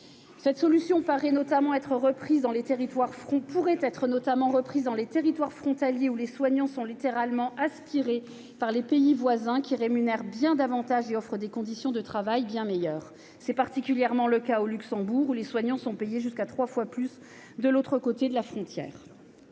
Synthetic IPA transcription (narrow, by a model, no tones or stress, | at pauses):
sɛt̪sɔlysjɔ̃paʁɛnɔt̪amɑ̃ɛt̪χəʁəpχizd̪ɑ̃let̪eʁit̪waʁfχɔ̃puʁɛt̪ɛt̪χənɔt̪amɑ̃ʁəpχizd̪ɑ̃let̪eʁit̪waʁfχɔ̃t̪aljeuleswaɲɑ̃sɔ̃lit̪eʁalmɑ̃ʔaspiʁe | paʁlepeivwazɛ̃kʲiʁemynɛʁbjɛ̃d̪avɑ̃t̪aʒeɔfχəd̪ekɔ̃d̪isjɔ̃d̪ət̪χavajbjɛ̃mejœːʁ | sɛpaʁt̪ikʲyljɛʁmɑ̃ləkaolyksɑ̃buʁuleswaɲɑ̃sɔ̃pejeʒyskat̪χwafwaplys | d̪əlot̪χəkot̪ed̪əlafχɔ̃t̪jɛ̰ːʁ